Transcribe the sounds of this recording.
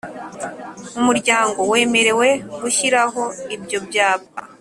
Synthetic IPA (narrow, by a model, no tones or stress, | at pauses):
umuɾɟaːŋɡo̞we̞ːme̞ɾe̞we̞ɡuçiɾaɦo̞ibjo̞bjaːpa̰